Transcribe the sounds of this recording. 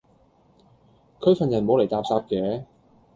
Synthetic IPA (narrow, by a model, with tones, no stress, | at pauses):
kʰɵ˨˧˥fɐ˨njɐ˨˩nmo˨˧wle˨jt̪aː˧p̚saː˧p̚kɛː˨˧˥